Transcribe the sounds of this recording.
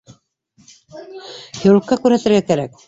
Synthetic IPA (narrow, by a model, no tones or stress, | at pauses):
jɵ̆ɾŭkːɑkʉɾhæt̪ɘ̆ɾɡækæɾæk̚